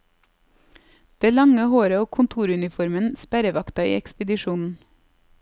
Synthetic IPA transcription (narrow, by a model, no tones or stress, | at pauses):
d̪̥eːlɑŋəhoːɾəoːkʰʊnt̪ʰuːɾʉnɪfɔɾmənspæɾəʋɑkt̪ɑḭːɛkspəd̪ɪʃuːnn̩